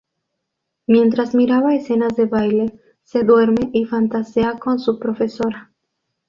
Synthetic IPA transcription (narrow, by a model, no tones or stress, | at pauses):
mje̞nt̪ɾazmiɾaβaese̞nazðe̞βajle̞ | se̞ðwe̞ɾme̞ʔifant̪aseako̞nsupɾo̞fe̞so̞ɾa